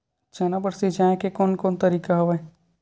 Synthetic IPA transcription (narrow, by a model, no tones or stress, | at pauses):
t͡ʃɐːnabəɽsid͡ʒaːẽkekoːnkoːnt̪əɾiːkaɦɐʋa